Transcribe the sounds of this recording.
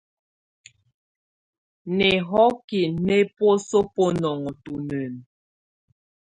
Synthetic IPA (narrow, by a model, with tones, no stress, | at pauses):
nɛ˨ɦɔ˦ki˨nɛ˦pwo˦so˦po˦nɔ˨ŋɔ˨tu˨nə˨n